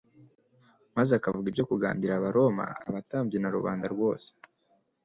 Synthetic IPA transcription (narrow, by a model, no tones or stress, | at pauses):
mazeakavuɡibjo̞kuɡa̰ːmbiɾaβaɾʔo̞ma̰ːβataːmbjenaɾuβa̰ːndaɾɡwo̞ːse̥